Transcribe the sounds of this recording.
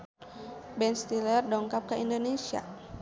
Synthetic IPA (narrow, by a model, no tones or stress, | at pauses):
bɛnst̪ilərdɔŋkap̚kəindonesia̰